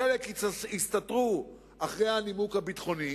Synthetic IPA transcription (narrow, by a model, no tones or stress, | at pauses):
elekist̪atʁu | aχʁejhanimukhabit̪χo̞ni